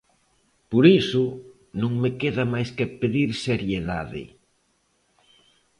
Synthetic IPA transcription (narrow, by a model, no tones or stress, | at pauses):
poɾisʊ | nõŋmekeðɐmajskepeðiɾseɾjeða̰ðɪ̰